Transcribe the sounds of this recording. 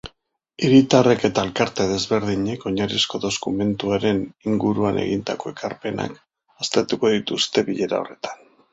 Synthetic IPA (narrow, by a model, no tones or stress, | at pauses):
iɾit̪are̞ke̞t̪aelkaɾt̪e̞ð̞e̞zβe̞ɾðiɲe̞ko̞ɲaɾisko̞ðo̞skume̞nt̪uaɾe̞niŋɡuɾuanʔe̞̰ɣind̪a̰ko̞e̞kaɾpe̞na̰k | ast̪et̪uko̞ðit̪ust̪e̞βiʎe̞ɾa̰o̞̰re̞t̪ḁn